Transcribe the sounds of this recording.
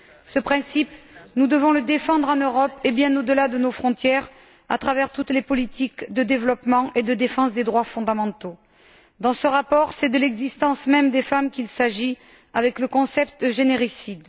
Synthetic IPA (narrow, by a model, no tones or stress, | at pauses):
səpχɛ̃sipnud̪əvɔ̃ləd̪efɑ̃d̪ʁɑ̃nøʁɔpebjɛ̃nod̪əlad̪ənofχɔ̃t̪jɛʁ | a̰t̪χavɛʁt̪ut̪lepɔlit̪ʰikd̪əd̪evəlɔpmɑ̃ʔed̪əd̪efɑ̃sd̪ed̪ʁwafɔ̃d̪amɑ̃t̪o | d̪ɑ̃səʁapɔʁsɛd̪əlɛɡzist̪ɑ̃smɛmd̪efamkʲilsaʒi | avɛkləkɔ̃sɛp̚t̪əʒeneʁisid̪